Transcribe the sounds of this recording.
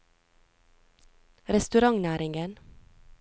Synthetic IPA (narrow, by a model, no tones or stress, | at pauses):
ɾɛst̪ʉɾɑŋnæːɾɪŋɡən